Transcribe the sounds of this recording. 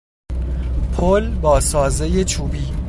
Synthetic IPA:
pʰolbɒːsɒːzeje̞t͡ʃʰuːbiː

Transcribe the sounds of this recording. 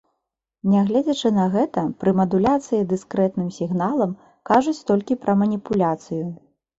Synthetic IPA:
nʲɛɣlʲɛd͡zʲɐt͡ʂɨnɐɣɛt̪ɐpɾɨmɐd̪ulʲat̪sɨjid̪ɨskɾɛt̪nɨmsʲiɣnalˠɐm | kaʐut͡sʲt̪ɔlʲkʲipɾɐmɐnʲipulʲat̪sɨju

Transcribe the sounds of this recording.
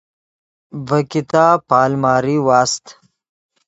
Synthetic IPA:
vɐkit̪aːpaːlmaːɾiwaːst̪

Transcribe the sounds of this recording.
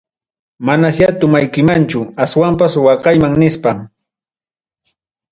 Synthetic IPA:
manasjat̪ʊmajkɪmant͡ʃʊaswampaswɑqɑjmaŋnɪspam

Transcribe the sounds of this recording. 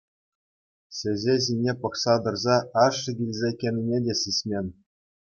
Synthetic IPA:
ɕʲɘ̆zʲeʑ̬inʲepɤ̆χsɑd̪ɤ̆rzɑɑʂːɤ̆ɡʲilʲzʲekʲenʲinʲedʲesʲisʲmʲenʲ

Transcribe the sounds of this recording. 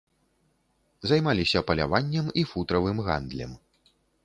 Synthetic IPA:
zajmalʲisʲɐpɐlʲa̰vanʲːɛmifut̪ɾɐvɨmɣa̰nd̪lʲɛ̰m

